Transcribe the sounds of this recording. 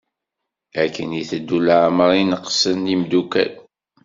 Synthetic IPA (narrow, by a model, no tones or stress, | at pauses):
ækːəniθəd̪ːulaʕməɾˤinəqsənimd̪ukæ̰l